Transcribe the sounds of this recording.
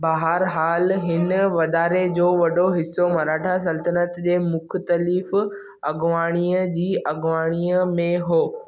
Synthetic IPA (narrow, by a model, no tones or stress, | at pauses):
baːɦəɾɦaːlɦɪnʋɐd̪aːɾed͡ʑoːʋɐɗoɦɪsːomɐɾaːʈʰas̬ɐlt̪ənət̪d͡ʑeːmʊkʰt̪əlif | ɐɡʋaːɽ̃iːəd͡ʑiːʔɐɡʋaːɽ̃iːəmẽɦoː